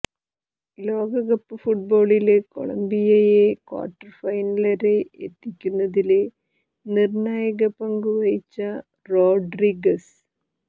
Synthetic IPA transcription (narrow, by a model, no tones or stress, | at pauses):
lo̞ːɡɐɣɐpːɨfuʈ̚bo̞ːɭileko̞̰ɭɐ̰mbijɐjekwa̰ːʈːɐrfɐjnɐlɐɾeḛt̪ːikʲːunːɐðile | nirnaːjɐɣɐpɐŋɡɨʋɐjit͡ɕːɐ | ro̞ːɖriɡɐs